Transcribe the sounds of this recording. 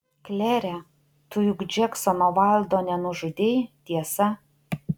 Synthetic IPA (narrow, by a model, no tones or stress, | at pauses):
klʲæːɾʲæ | t̪ʊjʊɡd͡ʒʲɛksɔnoʋɑlʲˠd̪oːnʲɛnʊʒʊd̪ʲejt̪ʲiɛsɐ